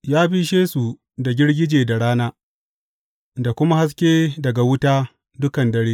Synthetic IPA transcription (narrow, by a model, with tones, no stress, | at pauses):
jaː˦bi˦ʃeː˦su˨ | da˨ɡʲɪ˦ɽɡʲɪ˦d͡ʒeː˨da˨ɽaː˦naː˦ | da˨kʷʊ˦ma˦ha˦s̬kʲeː˦dɐ˨ɡa˨wʊ˦taː˦ | dʊ˦kɐ˨ndɐ˨ɽeː˦